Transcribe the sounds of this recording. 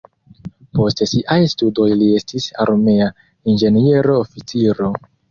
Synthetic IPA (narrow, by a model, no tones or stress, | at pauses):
po̞stesiʔajstudo̞jlie̞stisa̰ɾme̞a | ind͡ʒe̞nieɾoːfit͡siɾo̞